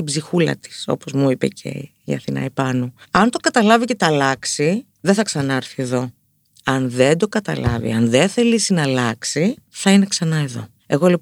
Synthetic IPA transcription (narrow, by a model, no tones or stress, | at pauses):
t̪ibzixulɐ̰t̪i̥so̞̰pozmuipe̞̰cʰe̞̰ | iɐ̰θinɐ̰ipɐnoɐnt̪o̞kɐt̪ɐlɐvice̞t̪ɐlɐksi | ðeθɐksɐnɐɐɾθieðo̞ | ɐnðend̪o̞kɐt̪ɐ̰lɐ̰vḭɐnðeθe̞lisinɐlɐksiθɐine̞ksɐnɐeðo̞̰ | e̞ɣo̞le